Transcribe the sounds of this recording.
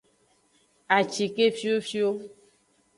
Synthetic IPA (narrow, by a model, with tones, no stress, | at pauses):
a˨t͡ʃi˨ke˦fi˦o˦fi˦o˦